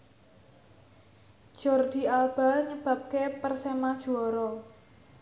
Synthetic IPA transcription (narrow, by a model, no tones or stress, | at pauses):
ʒ̥ɔ̤rd̪̥i̤alb̥aɲəb̥a̤p̚kepərsemad̥ʒ̥uɔɾɔ